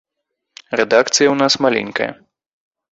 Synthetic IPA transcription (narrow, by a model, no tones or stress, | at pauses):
rɛd̪akt̪sɨjɐwnasmalʲɛ̰nʲkɐ̰jɐ̰